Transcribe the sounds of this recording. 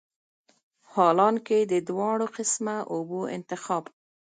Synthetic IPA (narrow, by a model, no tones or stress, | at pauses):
hɑlɑnked̪əd̪wɑɽoqɪsmaʔoboɪ̰nt̪ɪxɑb